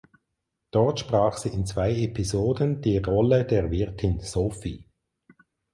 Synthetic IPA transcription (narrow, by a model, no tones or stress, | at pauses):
d̥ɔʁtʃpʁaːχsiːɪnt͡sv̥aɪepʰizoːdənd̥iːʁɔlədeːɐvɪɐtʰɪnsoːfiː